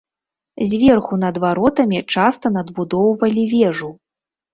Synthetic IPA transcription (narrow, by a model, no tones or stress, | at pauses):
zʲvʲɛrxunɐd̪vaɾɔt̪ɐmʲit͡ʂast̪ɐnɐd̪bud̪ɔwvɐlʲivʲɛʐu